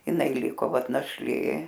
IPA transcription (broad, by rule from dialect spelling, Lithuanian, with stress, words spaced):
jɪˈnɐɪ ˈlʲɪkoː ˈʋɐt nɐʃʲˈlʲeː